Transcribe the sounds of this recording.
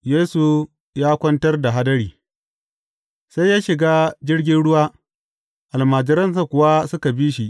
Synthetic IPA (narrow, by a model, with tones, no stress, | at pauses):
jeː˦su˨ | jaː˦kʷɐ˦ntɐ˦rda˨ɦa˦dɐ˦ɽiː˨ | sa˦jːaː˦ʃɪ˨ɡaː˦d͡ʒɪ˦rɡʲɪ˦nɽʊ˦waː˦ | ʔa˨lmaː˨d͡ʒɪ˦ɾɐ˦ns̬a˨kʷʊ˨wa˦sʊ˦ka˨bi˦ʃi˦ʔ